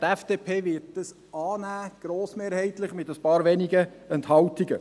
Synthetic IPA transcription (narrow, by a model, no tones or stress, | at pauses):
tɛfd̥eːpʰeːʋɪt̚d̥əs | ɑːnæːɡ̥ɾoːsmeːɾhɛɪt̪lɪχmɪtəspɑːɾʋɛniɡə | ɛnthɑwtiɡə